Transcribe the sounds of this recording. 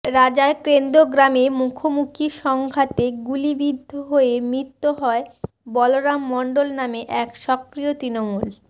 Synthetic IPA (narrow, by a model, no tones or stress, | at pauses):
ɾad͡ʑaekɾend̪oɡɾamemukʰomukʰiʃɔŋɡʱat̪eɡulibid̪ʱːoɦoemɾit̪ːoɦɔe | bɔloɾamːɔɳɖolnameʔɛkʃɔkɾijot̪ɾinomul